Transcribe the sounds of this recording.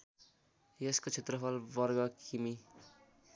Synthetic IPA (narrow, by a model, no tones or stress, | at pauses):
jeskot͡sʰet̪rʌpʰʌlbʌrɡʌkʰimi